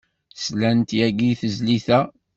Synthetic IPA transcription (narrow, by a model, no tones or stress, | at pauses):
slænt̪jæɡiθəzliθæ